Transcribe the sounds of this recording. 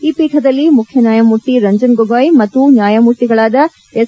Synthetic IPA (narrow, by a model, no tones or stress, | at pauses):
iːpiːʈʰɐd̪ɐlːimukʰjɐnjaːjɐmuɾʈ̪ːiɾɐɲd͡ʒɐnɡoɡaːjmɐt̪ːunjaːjɐmuɾt̪iɡɐɭaːd̪ɐ | es